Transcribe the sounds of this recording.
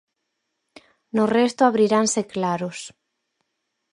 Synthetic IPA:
nʊrest̪oaβɾiɾanseklaɾʊs

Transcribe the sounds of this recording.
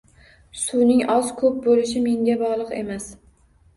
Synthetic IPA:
sunɪŋɒzkʰɵp̚bolɪʃɪme̞ŋɡʲabɒʁlˠɨqe̞̰mas

